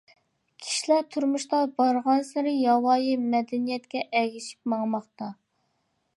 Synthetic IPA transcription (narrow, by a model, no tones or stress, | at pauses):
kʲʰi̥ʃilæt̪ʰuɾmuʃt̪ɑbɑɾʁɑnsɪɾɪjɑwɑːjimɛd̪ɛnijɛt̪kʲɛʔɛɡʲiʃi̥p̚mɑŋmɑχt̪ɑ